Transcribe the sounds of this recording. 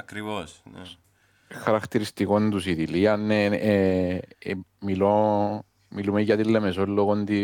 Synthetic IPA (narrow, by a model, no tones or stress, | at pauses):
ɐkɾivos | xɐɾɐkt̪iɾist̪iko̞nd̪usiðiliɐnːe | milo | milumeːɐt̪ilːemesolːoɣond̪i